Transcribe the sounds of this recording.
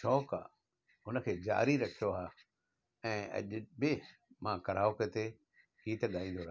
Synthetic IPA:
ʃʰɔːka̰ | ʊnə̆kʰeːd͡ʑa̰ːɾiɾɐkʰijoaː | ɛ̃ːɐ̰ʄbɪmãkɐɾaːoket̪e | kiːt̪ɠaːĩːnd̪oɾa

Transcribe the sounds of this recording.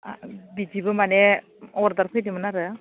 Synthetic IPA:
bid͡ʒibɯmanɛ | ɔɾd̪aɾpʰɯjdimɯnaɾɯ

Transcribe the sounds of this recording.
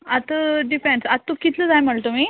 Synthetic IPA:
at̪əɖifẽnsatt̪ːokit̪ʰləd͡zajm̤əɭt̪um̤iː

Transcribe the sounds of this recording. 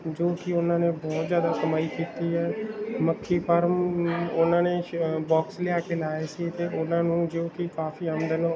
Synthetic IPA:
d͡ʒoːkɪʊnãːnẽːbɔːt̪zjaːd̪aːsəmaːikiːt̪iːɦɛːməkʰːiːpʰəɾmʊnãːneːbɔːksleaːkeːlaːeːsit̪eːʔʊnãːnũːd͡ʒoːkɪkaːfiːəmd̪ənõ

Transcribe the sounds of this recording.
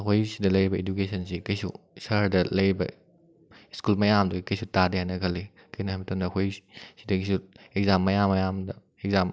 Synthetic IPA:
ɐkʰojsidɐlɐjɾibɐedukesɐnsikɐjsṵ | sɐɾdɐlɐjɾbɐ̰ | iskulmɐjamduɡikɐjsutadiɦajnɐkʰɐli | kɐjnɐɦamitɐnɐkʰojsidɐɡisueɡ̚zamːɐjamːɐjamdɐ | ekzam

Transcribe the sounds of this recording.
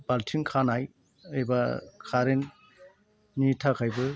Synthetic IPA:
baltʰiŋkʰanaj | ejbakʰaɾen | nitʰakʰajbɯ

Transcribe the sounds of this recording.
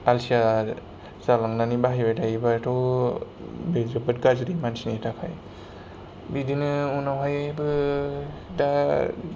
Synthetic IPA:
alsia | zalaŋnanibaɦibadaibatʰɔw | bezɔbɯt̚ɡazɾimansnitʰakʰaj | bidinɯunawɦajbɯ | da

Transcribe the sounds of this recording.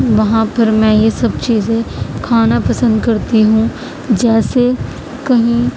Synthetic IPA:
ʋɐɦãpɐɾmɛ̃jesɐbt͡ʃiːzẽkʰaːnapɐsə̃nd̪kɐɾt̪iɦũ | d͡ʒɛːse | kɐɦĩ

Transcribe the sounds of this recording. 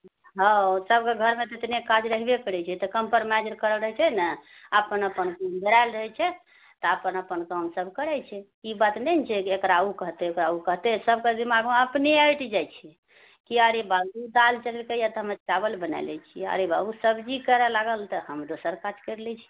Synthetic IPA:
ɦəsəb̚keɡʱəɾmet̪et̪nekad͡ʒɾəɦbekəɾɛt͡ʃʰɛt̪ɔkəmpəɾmɛd͡ʒəɾkəɾəlɾəɦt͡ʃʰɛnə | əpənəpənkəmb̪əɾalɾəɦɛt͡ʃʰɛ | t̪ɔəpənəpənkəmsəbʱkəɾɛt͡ʃʰɛ | ibat̪nɛnt͡ʃʰɛkekɾaukəɦt̪ɛokɾaukəɦt̪ɛsəb̚ʱkəd̪imaɡũəpniəjʈʰd͡ʒajt͡ʃʰi | kiaɾebaɡud̪alt͡ʃəlelkəjət̪əmət͡ʃabəlbəna̰lɛ̰t͡ʃʰia̰ɾeba̰busəbd͡ʒikəɾelaɡəlt̪ɔhəmd̪osəɾkad͡ʒkəɾlɛt͡ʃʰɛ̥

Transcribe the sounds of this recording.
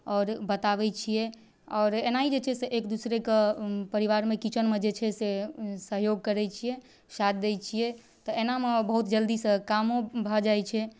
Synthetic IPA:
ɔːɾbət̪aʋɛt͡ʃʰijɛ | ɔːɾenaɦid͡ʒet͡ʃʰɛseʔekd̪usɾekepəɾiʋaɾmekit͡ʃənmed͡ʒet͡ʃʰɛsesəɦjoɡ̚kəɾɛt͡ʃʰijɛ | sat̪̚d̪ejt͡ʃʰijɛ | t̪ɔʔenamebəɦut̪d͡ʒəld̪isə̃kamõbʱəd͡ʒajt͡ʃʰɛ

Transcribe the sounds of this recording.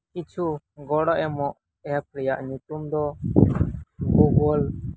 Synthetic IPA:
kit͡ʃʰu | ɡɔɽɔʔɛmɔʔ | ɛap̚ɾɛjaʔɲut̪umd̪ɔ | ɡuɡɔl

